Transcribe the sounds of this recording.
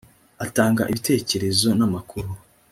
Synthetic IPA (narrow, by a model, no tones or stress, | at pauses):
ataːŋɡa̰ʔiβite̞ːce̞ɾe̞zo̞namakʰuɾu